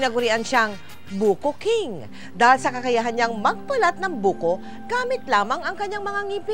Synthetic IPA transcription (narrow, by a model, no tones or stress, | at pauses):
nɐɡʊɾiʔanʃaŋ | buːkokɪŋ | d̪aːhɪlsɐkɐkɐjaɦɐnɲaŋmɐɡ̚pɐlat̪̚nɐŋbuːko | ɡ̥aːmɪt̪̚laːmɐŋɐŋkɐɲːaŋmɐŋaŋipɪ